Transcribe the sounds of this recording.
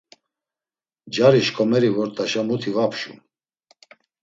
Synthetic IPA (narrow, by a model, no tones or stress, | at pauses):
d͡ʒaɾiʃkʼɔmɛɾivɔɾt̪ʼaʃamut̪ʰivapʰʃṵ